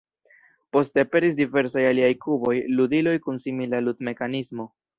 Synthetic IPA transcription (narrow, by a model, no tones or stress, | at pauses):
po̞steape̞ɾis̬dive̞ɾsajaliajkubo̞jludilo̞jkunsimilaludme̞kanismo̞